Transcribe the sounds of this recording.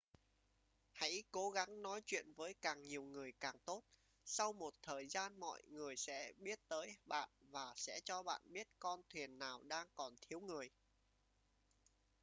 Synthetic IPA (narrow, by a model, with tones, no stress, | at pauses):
ha̰˧˥jko˨˦ɣa˨˦ŋnɔ˨˦jt͡ɕwḭ˧˨ənvəː˨˦jkaː˨˩ŋɲi˨˩əwŋɨ˨˩əjkaː˨˩ŋt̪o˦˥t̚ | sa˧wmo˨˩t̚t̪ʰəː˨˩jzaː˧nmɔ̰˧˨jŋɨ˨˩əjsɛ̰˧˥ɓi˦˥ət̚t̪əː˨˦jɓa̰ː˧˨nvaː˨˩sɛ̰˧˥t͡ɕɔ˧ɓa̰ː˧˨nɓi˦˥ət̚kɔ˧nt̪ʰwi˨˩ənːaː˨˩wɗaː˧ŋkɔ˨˩nt̪ʰi˨˦əwŋɨ˨˩əj